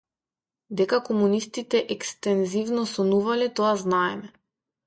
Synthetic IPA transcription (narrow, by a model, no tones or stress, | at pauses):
d̪ɛkakɔmunist̪it̪ɛʔɛkst̪ɛnzivnɔsɔnuvalɛt̪ɔaznaɛmɛ